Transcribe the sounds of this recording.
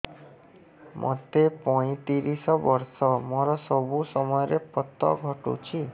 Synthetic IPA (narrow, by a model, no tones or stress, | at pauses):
mʔɔ̰t̪epɔĩt̪iɾisɔbɔɾsɔmɔɾɔsɔbusɔmɔjɔɾepɔt̪ːɔ̰ɡʱɔʈṵt͡ʃʰi